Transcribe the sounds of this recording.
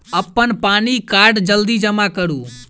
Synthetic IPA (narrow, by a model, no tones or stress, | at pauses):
əpːənpaːnikaːɾɖd͡ʒəld̪id͡ʒəmakəɾũː